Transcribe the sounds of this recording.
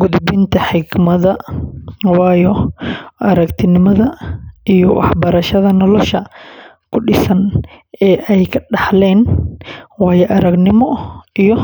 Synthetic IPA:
ɡʊðbɪnt̪ʰɐħɪɡmɐðɐ | wɑːjɔʔɐɾɐkt̪ʰɪnɪmɐðɐijɔwʔɑ̰ħbɐɾɐʃɐðɐnɔlɔʃɐ | kʰʊɖɪsɐnɛːʔɛjkʰɐɖɑħlɛːn | wɑːjɛʔɐɾɐɡnɪmɔijɔ

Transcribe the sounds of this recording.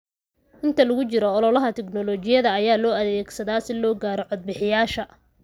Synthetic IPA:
ʔɪnt̪ʰɐlɐɣʊt͡ʃɪɾɔːlɔlɐɦɐt̪ʰɛknɔlɔt͡ʃɪjɐðɐːjaːlɔːɐðɛːɡsɐðaːsɪlɔːɡaːɾɔʕɔd̪̚bɪħɪjaːʃɐ

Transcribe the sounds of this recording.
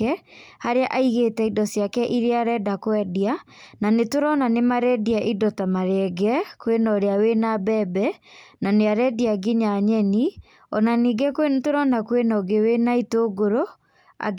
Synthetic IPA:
ɛhaɾeaʔaiɣetɛidɔsjakɛʔiɾeaɾɛdakwɛdiananetoɾɔnanemaɾɛdiaʔidɔtamaɾeɛɡɛkwenɔɾeawenabɛbɛnaneaɾɛdiaɡiɲaɲɛni | ɔnaniːɡɛkowentoɾɔnakwenɔɡewenaitoɡoɾo | a̰

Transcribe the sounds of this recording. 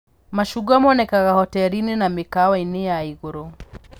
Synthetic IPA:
maʃuɡamɔnɛkaɣahɔtɛɾininamikawainijaiɣuɾɔ

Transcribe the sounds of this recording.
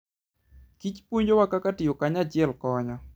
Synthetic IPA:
kit͡ʃpoɲd͡ʒowakakatɪjokaɲat͡ʃɪɛlkɔɲɔ

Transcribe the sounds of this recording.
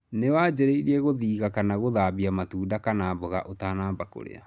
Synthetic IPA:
newaːd͡ʑeɾeiɾiɛɣoðiːɣakanaɣoðaːbiamatuːdakanaːbɔɣa̰ʔotaːnaːbako̰ɾḛa̰

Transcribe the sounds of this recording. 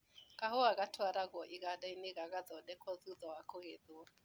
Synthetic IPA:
kahɔaɣatʰwaɾaɣɔʔiɣaɗainɪɣaɣaðɔɗɛkɔðuðɔwakɔɣeðua

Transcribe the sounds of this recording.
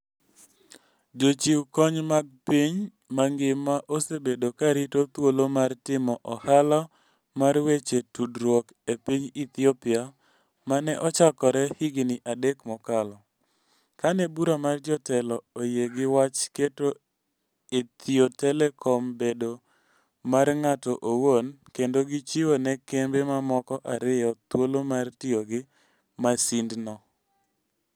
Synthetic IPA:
d͡ʒot͡ʃiwkɔɲmaɡ̚piɲ | maŋɡɪmaʔosebedokaɾitot̪wolomartɪmɔʔɔhalɔ | marwet͡ʃetudɾwɔk | epiɲit̪iopɪa | manɛʔɔt͡ʃakɔɾɛhɪɡnɪʔadekmɔkalɔ | kanɛbuɾamard͡ʒɔtɛlɔojeɡɪwat͡ʃketo | et̪ɪotɛlɛkʰɔmbedo | marŋatɔʔowonkendoɡɪt͡ʃiwonɛkembemamɔkɔʔaɾɪjɔt̪wolomartɪoɡɪ | masindnɔ

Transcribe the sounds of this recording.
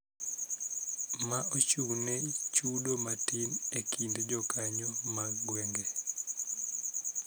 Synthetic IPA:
maot͡ʃuwnet͡ʃudomatinekindd͡ʒɔkaɲomaɡwɛŋɡe

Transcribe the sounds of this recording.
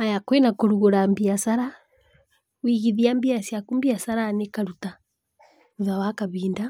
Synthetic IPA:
majakwenakoɾuɣoɾambiasaɾa | wiɣiðiambiasjakumbiasaɾanekaɾuta | uðawakaβiːnda

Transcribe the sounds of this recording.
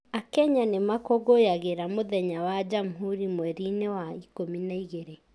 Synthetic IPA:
akɛɲanemakɔɣojaɣeɾamoðɛɲawad͡ʒamɦuɾimwɛɾinewaikominaiɣeɾe

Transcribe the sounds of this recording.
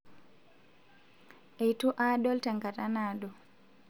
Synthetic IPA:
ʔɛjtuʔaɗɔltaŋkatanaːɗɔ

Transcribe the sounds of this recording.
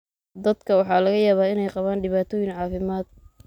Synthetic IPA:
d̪ɐd̪kʰɐwɑħɑːlɐɣɐjaːβaːɪnɛjqɑβaːnɖɪβaːt̪ʰɔːjɪnʕɑːfɪmaːd̪̚

